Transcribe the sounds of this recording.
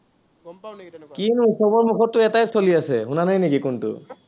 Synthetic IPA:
kinusɔbɔɹmuxɔtːʊɛtajsoliasɛɦunanajnikikʊntʊ̰

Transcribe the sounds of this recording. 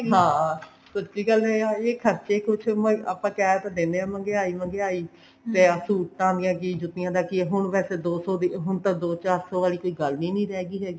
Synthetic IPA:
ɦãː | sətt͡ʃiːɡəlɛːaeːkʰəɾt͡ʃeːkʊt͡ʃʰməa̰pãːkɛːt̪ãːd̪eːneːãːmə̃ŋɡeːaːiːmə̃ŋɡeːaːiː | t̪eːəsuːʈːãːd̪ɪjãːk̬ɪd͡ʒʊt̪ːɪjãːd̪aːkɪɦʊɳʋɛːseːd̪oːsɔːd̪iɦʊɳt̪ãːd̪oːt͡ʃaːɾsɔːʋaːliːkoːiːɡəlnĩːnĩːɾɛːɡiːɦɛːɡiː

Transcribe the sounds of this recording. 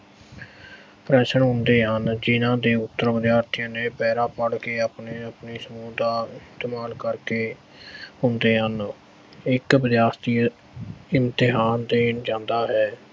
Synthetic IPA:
pɾɛːsəɳɦʊnd̪eːɦənd͡ʒɪnãːd̪eːʊt̪ːəɾʋəd̪jaːɾt̪ʰijãːneːpɛːɾaːpəɽkeːapneːəpniːsəmuːd̪aːɪst̪eːmaːlkəɾkeː | ɦʊnd̪eːɦən | ɪkʋɪd̪jaːɾt̪ʰiː | ɪmt̪ɪɦaːnd̪eːnd͡ʒãːnd̪aːɦɛː

